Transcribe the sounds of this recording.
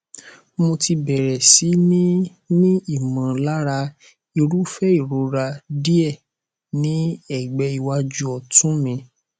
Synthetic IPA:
mo˧ti˧bɛ˨ɾɛ˨si˨˦nĩ˦ | nĩ˦i˦˨mã˨la˦ɾa˧ | i˧ɾu˦fɛ˦i˦˨ɾo˨˦ɾa˧di˦ɛ˦˨ | nĩ˦ɛ˦˨ɡ͡bɛ˧i˨wa˧˦d͡ʒu˦ɔ˧˨tũ˦mĩ˧

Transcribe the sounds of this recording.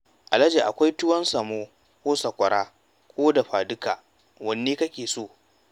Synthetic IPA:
ʔa˨lɐ˦d͡ʒe˨ʔa̰˨kʷa˦jtʊ˦wɐ˦nsɐ˨moː˦ | kʷoː˦sɐ˨kʷɐ˨ɽaː˦ | kʷoː˦da˨ɸaː˨dʊ˦kaː˨ | wɐ˨nːeː˦kɐ˦kʲeː˨soː˦˨

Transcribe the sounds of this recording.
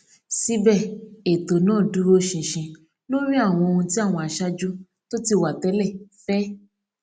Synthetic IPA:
si˦bɛ˦˨e˨to˨nãː˦˨du˨˦ɾo˦ʃĩ˨ʃĩ˧ | lo˦ɾ̃ĩ˦a˦˨w̃ɔ̃˧o˧ũ˧ti˦a˦˨w̃ɔ̃˧a˨ʃa˦d͡ʒu˦ | to˦ti˦wa˨tɛ˨˦lɛ˦˨fɛ˦

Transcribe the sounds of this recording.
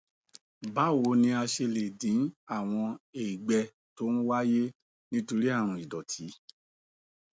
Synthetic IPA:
ba˨˦˨wo˨˧˦nĩ˧a˧ʃe˧le˨dĩ˨˦a˦˨w̃ɔ̃˧e˨i˨ɡ͡bɛ˧ | to˦ñ̩˦wa˦je˦ | nĩ˦to˧ɾi˦a˦˨ɾ̃ũ˧˨i˨dɔ˨tʰi˨˦

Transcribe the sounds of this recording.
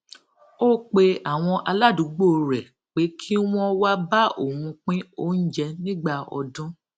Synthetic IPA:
o˦k͡pe˧a˨w̃ɔ̃˧ʔa˧la˦du˨˦ɡ͡bo˦˨ɾɛ˨ | k͡pe˨˦kʰi˦w̃ɔ̃˦wa˦ba˦ʔo˨wũ˧k͡pĩ˦o˦n̩˦d͡ʒɛ˧nĩ˦ɡ͡ba˧ɔ̰˧dũ˦

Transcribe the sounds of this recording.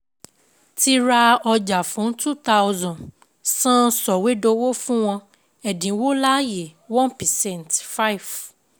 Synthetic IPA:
ti˧ɾa˧ɔ˧d͡ʒa˨fũ˨˦n̩˦tu˦ta˦ʊzɔ̃˨n | sã˦sɔ˨we˦do˧wo˦fũ˦w̃ɔ̃˧ | ɛ˨dĩ˨˦wo˦la˦je˨wɔ̃˦npɛ˨sɛ̃˦˨ntfa˦i˨v

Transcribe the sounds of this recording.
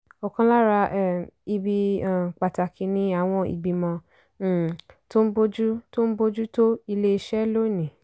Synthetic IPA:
ɔ˨kã˧la˦ɾa˧ʔɛ˦˨i˧bi˧ã˨k͡pa˨ta˨kʰi˧nĩ˧˦a˦˨w̃ɔ̃˧ḭ˨ɡ͡bi˧mɔ̃˧˦˨ | to˦n̩˦bo˦d͡ʒu˦to˦n̩˦bo˦d͡ʒu˦to˦i˧le˦i˧ʃɛ˦lo˦nĩ˨

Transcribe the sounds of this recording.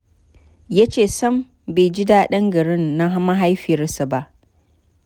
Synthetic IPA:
ja˦t͡ʃeː˨sɐ˦m | be˨jd͡ʒɪ˦da˦ɗɐ˦ŋɡɐ˨ɽɪ˦nːa˦ɦa˦ma˦ɦa˦jɸɪ˨jɐ˦rsa˨ba˦ʔ

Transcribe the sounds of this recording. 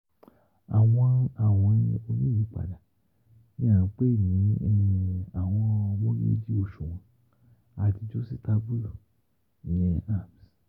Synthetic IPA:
a˨w̃ɔ̃˧a˨w̃ɔ̃˧o˧nĩ˦ĩ˨˦k͡pa̰˨da˨ | nĩ˦ã˦˨ã˨˧˦k͡pe˦˨nĩ˨˦ɛ˧ĩ˧a˨w̃ɔ̃˧wɔ̃˦lo̰˦d͡ʒi˦o˦˨ʃu˨w̃ɔ̃˧ | a˨ti˧d͡ʒo˦si˦ta˧bu˦ | nĩ˨ɛ˧a˦˨m˨s

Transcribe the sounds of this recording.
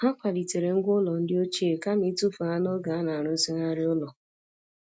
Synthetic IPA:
ha˦kʷa˨di˨te˨ɾe˨ŋ̩˦ɡʷʊ˦lɔ˨n̩˦dɪ˦o˦t͡ʃe˦˨ka˦me˦tu˦fu˨a˦nɔ˦ɡa˨a˦na˨ɾʊ˦si˦na˦ɾɪ˦ʊ˦lɔ˨

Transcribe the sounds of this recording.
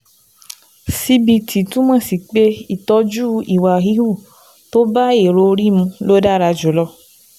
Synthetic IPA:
si˧bi˧tʰi˨tũ˦mɔ̃˦˨si˨k͡pe˦i˦˨tɔ˧˦d͡ʒu˦i˨wa˨ɦi˨˦u˦˨ | to˦ba˦e˦˨ɾo˧˦˧ɾi˦mũ˧lo˦da˦˨ɾa˧d͡ʒo˨˦lɔ˦

